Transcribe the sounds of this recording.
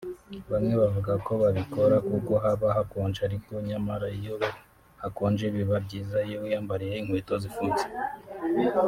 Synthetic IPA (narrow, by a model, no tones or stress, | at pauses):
βamŋe̞βavuɡako̞βaβiko̞ɾakuko̞ɦaβaɦakoːnd͡ʒaɾiko̞ɲamaɾaijoβe | hakoːnd͡ʒeβiβab̚ɟiːzaijoujaːmbaɾejeiŋ̥hweːto̞zifuːt͡se̥